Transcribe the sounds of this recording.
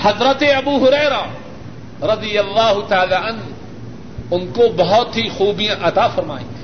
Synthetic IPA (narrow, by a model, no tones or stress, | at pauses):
hɐzɾət̪eɐbuːɦʊɾɛːɾaː | ɾɐd̪ijɐlːaːɦʊt̪aːlaːɐn | ʊnkobɐɦɔt̪ɦixuːbijãʔɐt̪aːfɐɾma̰ːḛ̃ː